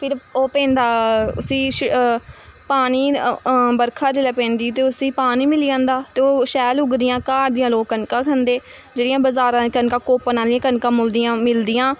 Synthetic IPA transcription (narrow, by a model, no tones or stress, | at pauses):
pʰɪɾoːpɛ̃ːnd̪aːʊ̰sĩː | paːniːbəɾkʰaːd͡ʒeːlɛːpɛ̃ːnd̪iːt̪̬eːʊsĩːpaːniːmɪliːãːnd̪aːt̪eːoːʃɛːlʊɡd̪ɪjãːkaːɾd̪ɪjãːloːɡkənkãːkʰənd̪eː | d͡ʒeːɽɪjãːbəzaːɾãːkənkãːkoːpənaːliãːkənkãːmʊld̪ijãːmɪld̪ɪːãː